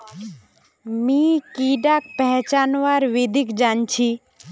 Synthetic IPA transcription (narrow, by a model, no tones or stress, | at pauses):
mikiɖak̚pɛɦt͡ʃaːnʋaːɾʋɪd̪ʱikd͡ʒaːnt͡ʃʰi